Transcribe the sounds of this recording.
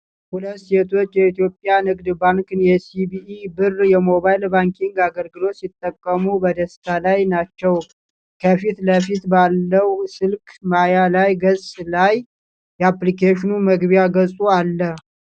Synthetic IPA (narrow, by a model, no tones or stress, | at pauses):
hulət̪ːset̪ʰo̞t͡ʃːjɛit̪ijo̞pʼːjanɨɡd̪baŋkɨnjɛsibiibɨrjɛmo̞βajlbaŋkʰiŋɡaɡəlɡɨlo̞t̪sit̪ʼːəkʼːəmubəd̪əst̪ʰalajnat͡ʃːɛw | kʰəfit̪ləfit̪balːəwsɨlkʼmajalajɡəsʼlaj | jɛaplikeʃɪnuməɡβjaɡəsʼualːə